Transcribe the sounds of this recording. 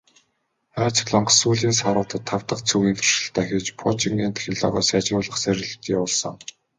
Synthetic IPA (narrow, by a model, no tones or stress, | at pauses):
aːt͡sɪ̥̆xɮɔɴɢɞ̆suːɮiːnsaɾʊːt̪ʰə̆t̪ʰːaw̥t̪ə̆qt͡sʰuɣiːnt̪ʰɵ̥r̥ʃɪ̆ɬt̪ʰæːxʲɪ̆t͡ɕpʰɔt͡ɕiŋɡeːnt̪xʲɪ̆ɮɔ̰ːʁɔ̰ːsjat͡ɕmʊːɮə̆χsæɾ̆ʲɮɘ̆t̪jaʊːɮsɞ̆ŋ